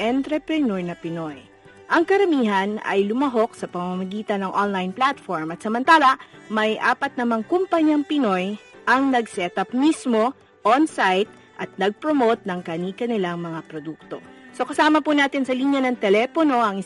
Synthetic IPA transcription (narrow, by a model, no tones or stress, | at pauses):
ʔɛnt̪ɾɛpɾɛnoɹnɐpɪno̞j | ʔɐŋkɐɾɐmiːɦɐnɐ̰jlʊmɐɦo̞k̚sɐpɐŋmɐmɐɡiːt̪ɐnːɐŋʔonlajnplat̪foɹmɐt̪sɐmɐnt̪aːlɐmɐjʔa̰ːpɐt̪̚nɐmaŋkʊmpɐɲaŋpɪno̞jʔɐŋnɐɡ̚sɛt̪ɐp̚mismo̞ | ʔonsajt̪̚ | ʔɐt̪̚nɐɡ̚pɾomowt̪̚nɐŋkɐniːkɐnɪlaŋmɐŋapɾod̪uk̚t̪o̞̰so̞kɐsaːmɐpunaːt̪ɪnsɐliːnjɐnɐŋt̪ɛlɛːpono̞ʔɐŋɪ